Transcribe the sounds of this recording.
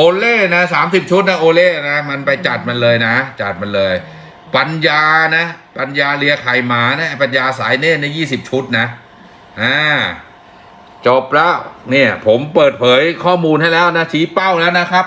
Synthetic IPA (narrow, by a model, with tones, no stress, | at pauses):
ʔoː˧leː˥˩na˦˥saː˩˦msi˨˩p̚t͡ɕʰu˦˥t̪̚na˦˥ʔoː˧leː˥˩na˦˥ma˧npa˧jt͡ɕa˨˩t̪̚ma˧nlɤː˧jna˦˥t͡ɕa˨˩t̪̚ma˧nlɤː˧j | pa˧njaː˧na˦˥pa˧njaː˧lɯ˧ɐkʰa˨˩jmaː˩˦na˦˥ʔpa˧njaː˧saː˩˦jneː˥˩na˥jːiː˥˩si˨˩p̚t͡ɕʰu˦˥t̪̚na˦˥ | ʔaː˧˩ | t͡ɕo˨˩p̚lɛː˦˥wni˥˩ɐpʰo˩˦mpɤː˨˩t̪̚pʰɤː˩˦jkʰɔː˥˩muː˧nha˥˩jlɛː˦˥wna˦˥t͡ɕʰiː˦˥pa˥˩wnɛ˦˥wna˦˥kʰa˦˥p̚